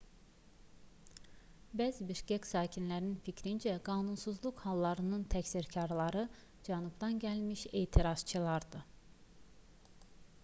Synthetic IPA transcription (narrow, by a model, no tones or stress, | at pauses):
bæːzibiʃcæcsɑːcʰinlæɾinficʰɾind͡ʒæɡɑːnunsuzlˠukhɑlˠːɑɾɯnɯnt̪ʰæcsiɾcʰɑɾlˠɑɾɯ | d͡ʒænubd̪ɑnɟælmiʃe̞ːt̪ʰiɾɑz̥t͡ʃʰɯlˠɑɾd̪ɯ